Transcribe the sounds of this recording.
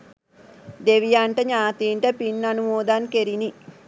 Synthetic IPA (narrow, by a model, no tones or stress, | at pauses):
d̪eʋijaːɳʈɐɲaːt̪iːɳʈɐpinːɐnumoːd̪aːnkeɾini